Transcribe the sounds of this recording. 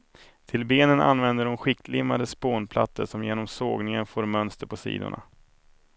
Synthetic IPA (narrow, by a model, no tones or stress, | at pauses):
t̪ʰɪlbeːnəna̰nvɛnd̪əɖɔnɧɪkːʰlɪmːad̪əspoːnpʰlat̪ːəʂɔmjeːnɔmsoːɡnɪŋənfoːɾmœnst̪əɾpʰɔsḭːd̪ʊ̰ɳa̰